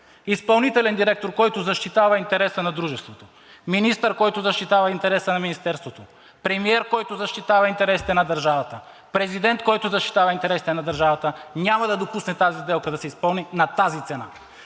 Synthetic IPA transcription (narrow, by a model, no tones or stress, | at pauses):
ispɐlˠnit̪ɛlɛnd̪iɾɛk̚t̪oɾkɔjt̪ʊzɐʃt̪it̪avɐint̪ɛɾɛsənɐd̪ɾuʒɛst̪vot̪o | minist̪əɾkɔjt̪ʊzɐʃt̪it̪avɐint̪ɛɾɛsənɐminist̪ɛɾst̪vot̪o | pɾɛmiɛɾkɔjt̪ʊzɐʃt̪it̪avɐint̪ɛɾɛsi̥t̪ɛnɐd̪ɐɾʒavɐt̪ə | pɾɛzid̪ɛnt̪̚kɔjt̪ʊzɐʃt̪i̥t̪avɐint̪ɛɾɛsi̥t̪ɛnɐd̪ɐɾʒavɐt̪əɲʲamɐd̪ɐd̪opusnɛt̪azizd̪ɛlˠkəd̪ɐsɛispəlˠninɐt̪azit̪sɛna